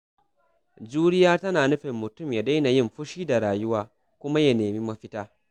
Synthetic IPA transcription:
d͡ʒuː˦ɽɪ˦jaː˦tɐ˦naː˨nʊ˦ɸɪ˨mːʊ˨tʊ˦˨mja˨da˦jna˨jɪ˦mɸʊ˦ʃiː˦da˨ɽaː˨jʊ˦waː˦ | kʷʊ˦ma˦ja˨neː˨mi˦mɐ˨ɸɪ˦taː˦

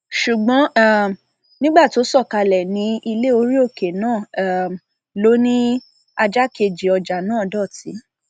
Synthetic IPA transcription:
ʃu˨ɡ͡bɔ̃˨˦a˦˨ | nĩ˦ɡ͡ba˦˨to˨˦sɔ˦˨ka˧lɛ˨nĩ˨˦i˧le˦o˧˦ɾi˦o˦˨ke˨nãː˦˨ | lo˨˦nĩ˦ | a˧d͡ʒa˦ke˧˨d͡ʒi˨ɔ˧d͡ʒa˨nãː˦˨dɔ˦˨ti˨˦

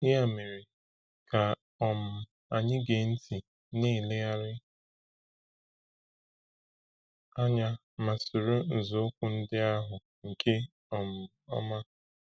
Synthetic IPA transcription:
ɪ˦a˨me˨ɾi˨ | ka˨ | ɔ˨m̩˨ | a˨ɲɪ˦ɡe˨n̩˦ti˨ | niː˦˨le˦ja˦ɾɪ˦ | a˦ɲa˦ | ma˨sʊ˨ɾo˦n̩˨zʊ˦ʊ˦kʷʊ˨n̩˦dɪ˦a˦ɦʊ˨ | ŋ̩˨kʰe˦ | ɔ˨m̩˨ | ɔ̰˦ma˦

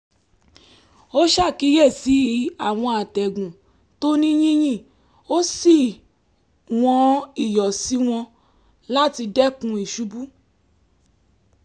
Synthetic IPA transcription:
o˦ʃa˦˨ki˨˦je˦˨si˨˦a˦˨w̃ɔ̃˧a˨tɛ˨ɡũ˨ | to˦nĩ˦j̃ĩ˦j̃ĩ˦˨ | o˦si˦˨ | w̃ɔ̃˧˦i˨jɔ˨si˨˦w̃ɔ̃˧ | la˦ti˧dɛ˦kũ˧˦i˦˨ʃu˨˦bu˦

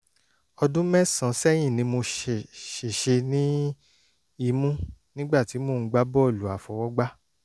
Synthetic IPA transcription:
ɔ˧dũ˦mɛ̃˦sã˨sɛ˦j̃ĩ˦˨nĩ˧mo˧ʃʃe˨ʃe˧nĩ˦ | i˧mũ˦nĩ˦ɡ͡ba˦˨ti˨˦mo˦˨˧ɡ͡ba˦bɔ˦˨lu˨˦a˨fɔ˨wɔ˦ɡ͡ba˦

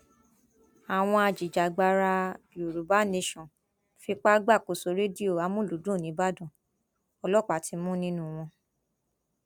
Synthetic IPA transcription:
a˨w̃ɔ̃˧a˧d͡ʒi˨d͡ʒa˨ɡ͡ba˧ɾa˧jo˨ɾu˨˦ba˦ne˧ʃɔ̃˨ | fi˧k͡pa˦ɡ͡ba˦˨ko˨so˨˦ɾe˦di˦o˦˨a˨˧˦mũ˦lu˨˦dũ˦˨nĩ˨˦ba˦dɔ̃˦˨ | ɔ˧lɔ˦˨k͡pa˨tʰi˨˧˦mũ˦nĩ˦nũ˦w̃ɔ̃˧

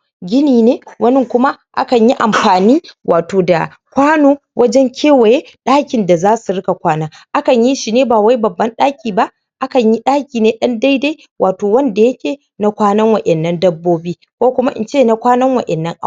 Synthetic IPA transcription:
ɡʲɪ˦niː˨neː˦wʔɐ˦nɪ˦ŋkʷʊ˦ma˦ʔa̰˦kɐ˨ɲji˦ʔa̰˨mɸaː˨niː˦wʔa̰ː˨toː˨da˨ | kʷaː˦noː˦wʔɐ˦d͡ʒɛ˦ŋkʲʰeː˦wɐ˨je˦ɗaː˦kʲɪ˨nda˨zaː˦su˨ɽɪ˦ka˨kʷaː˦naː˦ʔa˦kɐ˨ɲji˦ʃi˨neː˦baː˨wa˦jbɐ˨bːɐ˦nɗaː˦kʲiː˨ba˦ʔ | ʔa˦kɐ˨ɲji˦ɗaː˦kʲiː˨neː˦ɗɐ˦nda˦jda˦j | wʔaː˨toː˨wɐ˦nda˨jɐ˦kʲeː˨ | na˦kʷaː˦nɐ˦ŋwɐ˨ʔɛ˨nːɐ˦ndɐ˦bːoː˦biː˦ | kʷoː˦kʷʊ˦ma˦ʔɪ̰˨nt͡ʃeː˦˨na˨kʷaː˦nɐ˦ŋwɐ̰˨ʔɛ˨nːɐ˦ŋʔa˦

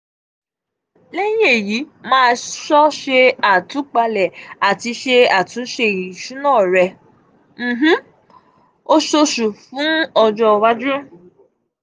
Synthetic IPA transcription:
le˦jĩ˦e˦˨ji˨˦mãː˦˧ʃɔ˦ʃe˧a˨tũ˨˦k͡pa˧lɛ˨a˨ti˧˦ʃe˧a˨tũ˨˦ʃe˧˦˨jĩ˨ʃu˨˦nãː˦˨ɾɛ˧ | m̩˨ɦ̩˦ | o˦ʃo˧ʃu˨fũ˨˦ɔ˧d͡ʒɔ˧wa˦d͡ʒu˦˨

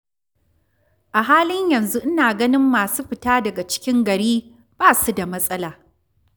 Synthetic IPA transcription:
ʔa˨ɦaː˦lɪ˦ɲjɐ˨nzu˦ʔɪ˦naː˨ɡɐ˦nɪ˦mːaː˨suː˦ɸɪ˨taː˦dɐ˨ɡa˨t͡ʃɪ̥˦kʲɪ˦ŋɡɐ˨ɽiː˦ | b̥aː˦su˦da˨mɐ˦sʼɐ˦laː˨

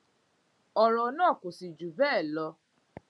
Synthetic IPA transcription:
ɔ˨ɾɔ˨nãː˦˨ko˨si˨d͡ʒu˨bɛ˦˨lɔ˧

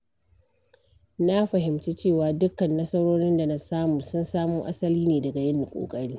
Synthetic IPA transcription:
na˦ɸɐ˨ɦɪ˨mt͡ʃiː˦t͡ʃeː˦˨waː˨dʊ˦kːɐ˨nːɐ˦sɐ˦ɽoː˦ɽɪ˦nda˨nɐ˦saː˦muː˨sʊ˦nsaː˦muː˦ʔa˦sɐ˦liː˦neː˨dɐ˨ɡa˨jɐ˦nːi˨kʷʼo̰ː˨kʼɐ˦ɽiː˦

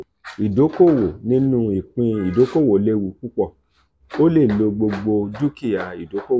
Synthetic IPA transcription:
i˨do˨˦ko˦˨wo˨nĩ˦nũ˦i˨k͡pĩ˧i˨do˨˦ko˦˨wo˨˦le˦wu˧˨ku˦k͡pɔ˦˨ | o˦le˦˨lo˧ɡ͡bo˧ɡ͡bo˧du˦ki˦˨ja˨i˨do˨˦ko˦˨

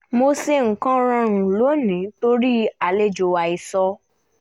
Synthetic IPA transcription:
mo˧se˧ŋ̩˨kã˦ɾ̃ã˧ɾũ˨lo˨˦nĩ˨˦to˧ɾi˦a˧le˦d͡ʒo˧wa˧i˧sɔ˧

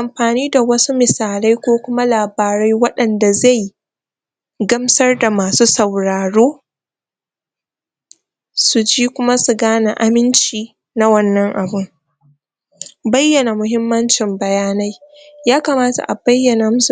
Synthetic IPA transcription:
ʔa˨mɸaː˨niː˦da˨wɐ˦su˦mɪ˨saː˨la˦jkʷoː˦kʷʊ˦ma˦laː˨baː˨ɾa˦jwɐ˦ɗɐ˨nda˨za˦˨j | ɡɐ˦msɐ˦rda˨maː˨suː˦sɐ˨wɽaː˨ɽoː˦ | su˨d͡ʒiː˦kʷʊ˦ma˦su˨ɡaː˦na˨ʔa˦mɪ˦nt͡ʃiː˨ | na˦wɐ˦nːɐ˦ŋʔa˨bɪ˦ŋ | bɐ˦jːɐ˨na˨mʊ˨hɪ˦mːɐ˦nt͡ʃɪ˨mbɐ˨jaː˦na˦j | jaː˦ka˨maː˦ta̰˨ʔa˨bɐ˦jːɐ˨na˨˦

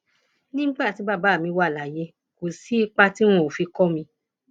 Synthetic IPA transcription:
nĩ˦ŋ͡mɡ͡ba˦˨ti˨˦ba˦˨ba˨˦˨mĩ˧wa˦˨la˨je˧ | ko˨si˨˦i˦k͡pa˦ti˦w̃ɔ̃˧˨o˨fi˧kɔ˦mĩ˧

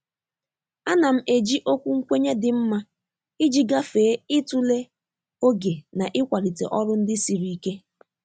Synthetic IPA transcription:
a˦na˨m̩˦e˨d͡ʒi˦ʔo˦kʷu˦ŋ̩˦kʷe˦ɲe˦dɪ˨m̩˦ma˦ | i˦d͡ʒi˦ɡa˦feː˨˦ɪ˦tu˦le˦ | o˦ɡe˨na˨ʔɪ˦kʷa˨li˨tḛ˨ʔɔ˦ɾʊ˦n̩˦dɪ˦si˨ɾi˨i˨ke˦

